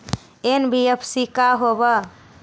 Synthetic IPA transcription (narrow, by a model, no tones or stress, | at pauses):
enbiepʰsikaɦobə